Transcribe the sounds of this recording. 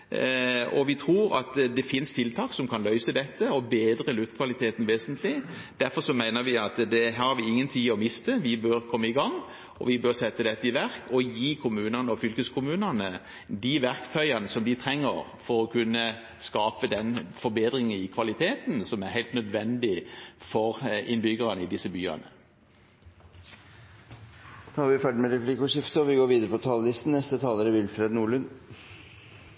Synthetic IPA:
ɔ̰ʋɪt̪ʰɾuːɾɑ̰t̪d̪ɛfɪnst̪ʰɪlt̪ʰɑːksɔmkʰɑnlœʏsəd̪ɛt̪ːəɔbeːd̪ɾəlʉft̪kʰʋɑlɪt̪ʰeːt̪n̩ʋeːsənt̪ʰlɪd̪̥æɾfɔɾsɔmæɪnəɾʋɪɑt̪d̪ɛɦæɑɾʁhɑɾʋɪɪŋːənt̪ʰiːɔmɪst̪əʋɪbøɾkʰɔmːəɪɡɑŋː | ʔɔ̰ʋɪbøːɾsɛt̪ːəd̪ɛt̪ːəɪʋæɾkɔjiːkʰʊmʉːnənəɔfʏlkəskʰʊmʉːnənə | d̪iʋæɾkt̪ʰœʏɑnəsɔmd̪ɪt̪ʰɾɛŋːə̰ɾ | fɔʁɔkʰʉnːə | skɑːpəd̪ɛnfɔbeːd̪ʁɪŋənɪkʰʋɑlɪt̪ʰeːt̪n̩sɔmæɾhæɪlt̪nœd̪ʋɛnd̪ɪfɔʁɪnbʏɡəʁɑnəɪd̪ɪsːəbyːɑ̰nə | d̪ʰɑhɑːɾʋɪfæɖəmɛɾɛplɪkɔʂɪft̪əɔʋɪɡoːɾʋiːd̪əɾəpɔt̪ʰɑllɪst̪n̩nɛst̪ət̪ʰɑːləɾəʋɪlfɾeːd̪nuːɭʉn

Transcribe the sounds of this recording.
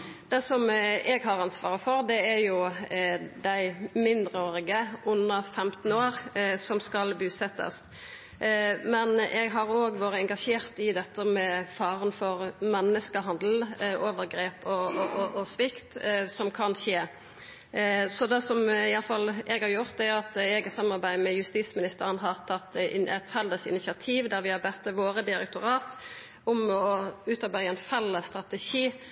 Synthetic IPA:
d̪̥ɛsɔmɛɡɦɑʁɑnsʋɑ̰ːʁəfɔɾd̪ɛæɾjʊ | d̪æɪmɪnd̪ɾəoːɾɪɡəʔʉnːəfɛmt̪n̩oːɾsɔmskɑlbʉːsɛt̪ːə̰s | mɛnʔɛɡɦɑɾoːɡʋoːɾəɛŋɡɑʂeːʁt̪ɪd̪ɛt̪ːəmɛfɑːɾənfɔɾmɛnːəskəɦɑnd̪l̩ʔoːʋəɾɡɾeːpɔɔʔɔsʋɪkt̪sɔmkʰɑnʃeː | sɔd̪ɛsɔmɪɑlfɑlɛɡhɑɾjʊʁt̪̚ɛʊɑt̪ɛɡəsɑmɑɾbæɪmɛjʉst̪iːsmɪnɪst̪əɾənɦɑʁt̪ʰɑt̪ːɛt̪fɛld̪əsɪ̰nɪsɪɑt̪ʰiːʋd̪æɾʋɪhɑbɛt̪ːəʋoːɾəd̪ɪɾɛ̰kt̪ʊɾɑːt̪ | ʊmɔʉːt̪ɑbæɪəɛnfɛlːəst̪ʁɑt̪əʃiː

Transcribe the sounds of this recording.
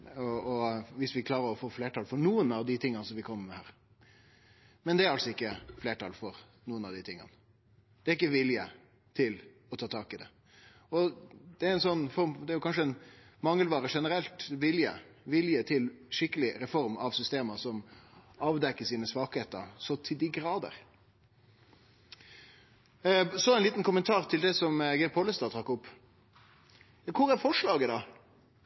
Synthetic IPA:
ɔɔʋɪsʋɪkʰlɑːɾəɾɔfoːfleːʈʰɑːlfɔɾnuːənɑʋd̪ɪt̪ʰɪŋːɑnsɔmʋɪkʰɔmːəɾmɛhæːɾ | mɛnd̪ɛæɾɑlsɔɪkːəfleːʈɑ̰ːlfɔɾ | nuːənɑʋd̪ɪt̪ʰɪŋːɑ̰nə | d̪̥ɛæɾɪkːəʋɪljə | t̪ʰɪl | ɔt̪ʰɑːt̪ʰɑːkɪd̪ɛ | ɔd̪̥ɛæɾɛɪnsɔnːfɔɾmd̪ɛːɾjʊkɑnʂəɛn | mɑŋːəlʋɑːɾəʂɛnəɾɛlt̪ʋɪljə̰ | ʋɪljət̪ʰɪlʂɪkːəlɪɾɛfɔɾmɑʋsʏst̪eːməsɔmɑːʋd̪ɛkːəsiːnəsʋɑːkheːt̪ə̰ɾsɔt̪ʰɪld̪ɪɡɾɑːd̪ə̰ɾ | sɔæɪnliːt̪n̩kʊmənt̪ʰɑːɾt̪ʰɪld̪ɛsɔmɡɛɾpʰɔːləst̪ɑːt̪ʰɾɑkːʊpː | kʰʊɾæɾfɔʂɭɑːɡəd̪ɑ

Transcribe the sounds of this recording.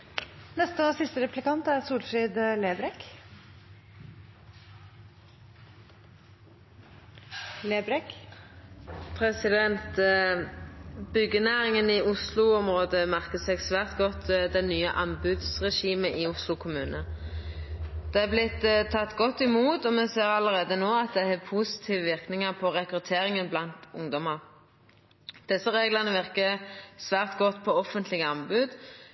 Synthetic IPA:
nɛst̪əosɪst̪əɾɛplɪkɑnt̪æɾsuːɾfɾiːd̪leːbɾɛk | leːbɾɛk | pʰɾɛsɪd̪ɛnt̪ | bʏɡənæːɾɪŋənɪʊslʊɔmɾoːd̪əmæʁkəsɛːɡsʋæːʁt̪ɡɔt̪ːd̪ɛnːyːə̰ʔɑnbʉd̪sʁɛʂiːməʔɪʊslʊkʰʊmʉːnə | d̪̥ɛæblɪt̪ːt̪ʰːɑt̪ːɡɔt̪ːɪmuːt̪ɔmɛseːɾɑləɾeːd̪ənoːɑt̪̚d̪ɛhɛpʰusɪ̥t̪ʰiːʋəʋɪɾknɪŋɑʁpʰɔʁɛkɾʉt̪ʰeːɾɪŋənblɑnt̪ʊŋd̪ɔmɑɾ | d̪̥ɛsːəɾeːɡlɑnəʋɪʁkəsʋæːʁt̪ɡɔt̪ːpʰɔɔfənt̪lɪɡəɑnbʉd̪

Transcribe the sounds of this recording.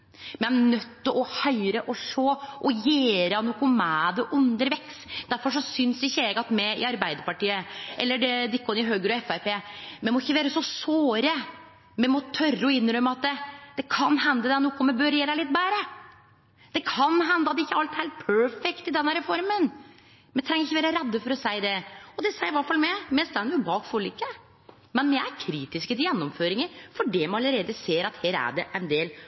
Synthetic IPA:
mɛnœt̪ːɪʔɔhœʏɾəʔɔʂoːʔɔjeːɾənuːkʊmæːd̪əʔʉnd̪əɾʋɛksd̪̥æɾfɔʂ̬ɔsʏnsɪçːəɛːɡɑt̪mɛɪ̰ɑɾbæɪd̪əɾpɑʈiːəʔɛlːəɖɛd̪ɪkːɔnɪɦøːɡɾɔɛfæpeːmɛmɔɪçːəʋeːɾəsɔsoːɾə | mɛmɔt̪ʰœrːəɔɪnːɾœmːəɑt̪̚d̪ɛd̪̥ɛkʰɑnɦɛnd̪əd̪ɛnɔkːɔmɛbøɾjeːɾæɪlɪt̪̚ːbæːɾə | d̪̥ɛkʰɑnɦɛnd̪əɑt̪ːɪçːəɑlt̪hæɪlt̪̚pʰœɹfɛkt̪ɪd̪ɛnhæɾəfɔɾmən | mɛt̪ʰɾɛŋːəɾɪçːəʋeːɾəɾɛd̪ːəfɔɾɔsæɪd̪ɛɔd̪ɛsæɪʋæʈfɑlmɛmɛst̪ænəjʊbɑːkfɔɭiːkːə | mɛnmɛæɾkʰɾiːt̪ɪskət̪ɪjɛnːɔmføːɾɪŋəfɔɖɛmɛɑləɾeːd̪əseːɾɑt̪heːɾæ̰ɖɛʔɛɪnd̪eːl

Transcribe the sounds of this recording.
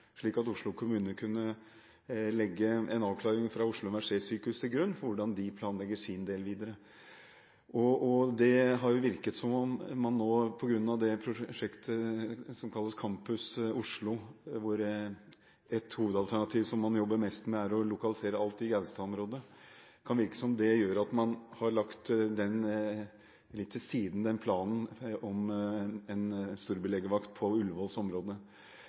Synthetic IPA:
ʂɭiːkɑt̪ʊʂɭʊkʰʊmʉːnəkʰʉnːə | lɛɡːəɛnɑːʋkʰlɑːɾɪŋfɾɑʊʂlʊmæʂeːsyːkʉst̪ʰɪlɡɾʉnːfɔɾʋʊɖɑnd̪ɪpʰlɑːnlɛɡːəʂɪnd̪eːlʋiːd̪əɾə | ʔɔɔd̪ɛɦɑɾjʊʋɪɾkət̪sɔmɔmmːɑnːoːpʰɔɡɾʉnːɑʋd̪ɛpʰɾʊʂɛkt̪ʰəsɔmkʰɑlːəskʰɑmpʉsʊʂɭʊʋʊɾ | ɛt̪huːʋəd̪ɑlt̪ʰæɳɑt̪ʰiːʋsɔmːɑnjɔbːəɾmɛst̪mɛæɾɔlʊkɑlɪseːɾəɑlt̪ɪɡæʋst̪ɑɔmɾoːd̪əkʰɑnʋɪɾkə̥sɔɔmd̪ɛjøːɾəɑt̪mɑnhɑɾɭɑkt̪d̪ɛn | lɪt̪ʰːɪsiːd̪n̩d̪ɛnpʰlɑːnn̩ɔmɛnst̪uːɾbəlɛːɡəʋɑkt̪̚pʰɔʉlʋoːlsɔmɾoːd̪ə

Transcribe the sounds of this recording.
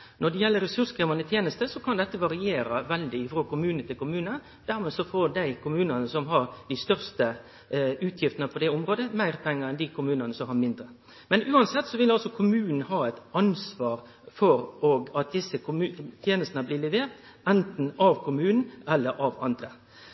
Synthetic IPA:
nɔɖ̪ɛjɛlːəɾɛsʉskɾeːmɑnət̪ʰjeːnəst̪əsɔkʰɑnd̪ɛt̪ːəʋɑɾɪeːɾɑʋɛld̪ɪɪfɾoːkʊmʉːnət̪ʰɪlkʊmʉːnə | d̪̥æːɾmɛːsɔfoɾd̪æɪkʰʊmʉːnənəsɔmɦɑɾd̪ɪst̪œʁst̪ə | ʉːt̪ʰjɪft̪ənəpʰɔd̪ɛʊmɾoːd̪əmæɪʁpʰɛŋːəɾɛnd̪ɪkʰʊmʉːnənəsɔmhɑɾmɪnd̪ɾə | mɛnʉːɑnsɛt̪ːsɔʋɪlɑlsɔkʰʊmʉːnn̩ɦɑːæɪt̪ɑnsʋɑːɾ | fɔɾɔɡɑt̪̚d̪ɪsːəkʉt̪ʰjeːnəst̪ənəblɪːlɛʋeːɾt̪ | ɛnt̪n̩ɑʋkʰʊmʉːnn̩ɛlːəɾʔɑʋɑ̰nd̪ɾə

